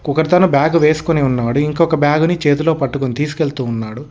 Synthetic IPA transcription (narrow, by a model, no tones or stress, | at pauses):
kukɐɾt̪ɐnubjaːɡuʋe̞ːsu̥koniunːaːɽuiŋkɔkɐbjaːɡunit͡ʃe̞ːt̪̬ulo̞ːpɐʈːukonit̪iːs̬u̥keɭt̪uːnːaːɽu